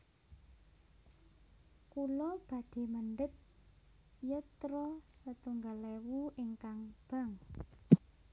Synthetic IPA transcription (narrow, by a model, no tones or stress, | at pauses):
kulɔb̥ä̤d̪̥e̤məɳɖət̪̚ | jət̪ɾɔsət̪uŋɡalewuɪŋkaŋb̥a̤ŋ